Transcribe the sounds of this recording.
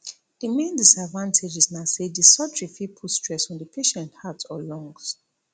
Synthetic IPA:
d̥əmẽndisadvãntʰed͡ʒiznasedisɔtɹifipʰutstʰɹ̥ɛsɛ̃ndəpʰeʃɛ̃nthatɔlɔ̃ŋɡs

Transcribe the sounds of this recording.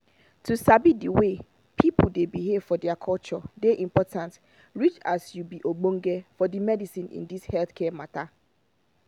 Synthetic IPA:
tʰusabidiwe | pʰipʊdebiɦev̥fɔdɛakʰɔlt͡ʃɔdeʔĩmpɔtʰãnt | ɹit͡ʃasjubiʔoɡ͡bõŋ̩ɡɛfɔdimɛdisĩnḭ̃ndishɛlθkʰɛmatʰa

